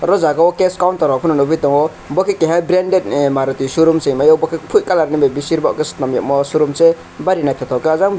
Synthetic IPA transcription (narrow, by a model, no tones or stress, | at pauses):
ɾɔzaɡɔkeskawntɔɾɔpʰunɔnubit̪ɔŋɔ | bɔkʰekːeɦabɾendet̚maɾɔt̪isuɾumseŋmajɔwbɔkʰepʰuʔkalaɾnibebisiɾbaɔ̰kestnamja̰mɔsuɾumse | baɾinajt̪ʰat̪ʰɔwkeazaŋ